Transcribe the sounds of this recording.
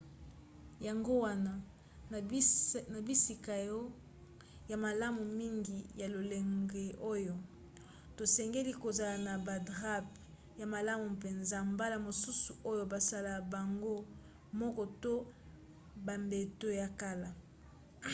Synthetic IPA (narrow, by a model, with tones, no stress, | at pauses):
ja˨ŋɡo˦wa˦na˨ | na˨bi˦si˨ka˨jɔ˦ | ja˨ma˨la˦mu˨mi˦ŋɡi˨ja˨lo˨le˨ŋɡe˨ʔo˦jo˨ | to˨sɛ˨ŋɡe˦li˦ko˨za˨la˨na˨ba˨dʁa˦p̚ | ja˨ma˨la˦mu˨pe˨nza˦mba˦la˨mo˨su˦su˨o˦jo˨ba˨sa˦la˨ba˨ŋɡo˦ | mɔ˦kɔ˨to˦ | ba˨mbe˨to˦ja˨ka˦la˨